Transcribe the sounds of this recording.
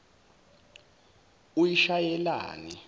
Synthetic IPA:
ujiʃajɛla̰ːni

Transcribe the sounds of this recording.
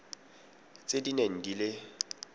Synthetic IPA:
t͡sʼedineŋ̩dilɪ

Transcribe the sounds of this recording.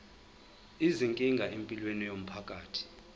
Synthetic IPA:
iziŋkʼiŋɡʱaʔempʼilwenijom̩pʰakʼaːtʰi̥

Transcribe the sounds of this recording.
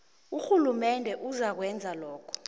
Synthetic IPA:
uxulumɛndʱɛʔuzak̬wɛnd͡zʱalɔːkʰɔ̥

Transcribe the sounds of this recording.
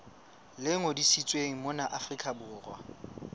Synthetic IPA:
lɪŋodisit͡sʼweŋ̩mʊnaʔafrikʼabʊːrwa̰

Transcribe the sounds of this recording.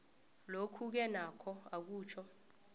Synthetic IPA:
lokʰuk̬ɛnakʰɔak̬uːt͡ʃʰɔ

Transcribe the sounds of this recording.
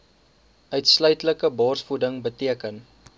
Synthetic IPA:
œɥtslœɥtləkəbɑːrsfudəŋbətiəkən

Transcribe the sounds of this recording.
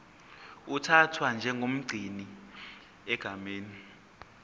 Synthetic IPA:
utʰatʰwand͡ʒʱɛŋɡʱom̩ɡ͡ǀʱini | ɛɡ̥ʱameːni

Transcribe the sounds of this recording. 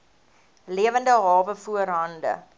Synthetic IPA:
liəvəndəɦɑːvəfuərɦɐndə̰

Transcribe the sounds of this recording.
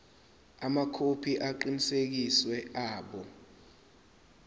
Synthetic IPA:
amakʰopʰiʔaǃinisek̬iswɛaːɓɔ

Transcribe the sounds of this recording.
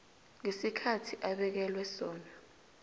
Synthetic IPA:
ŋesikʰatʰiʔaɓɛk̬ɛlwɛsɔːna

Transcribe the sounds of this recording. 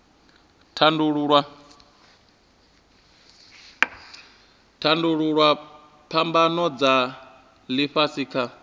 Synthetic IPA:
tʰanduɺuɺwa | tʰanduɺuɺwa | pʰambanɔd͡za | liɸasiːkʰa

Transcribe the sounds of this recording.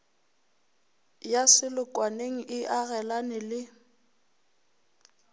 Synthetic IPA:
jasɪlʊkʼwaneŋ̩ʔɪʔaɣɛlanɪlɪ

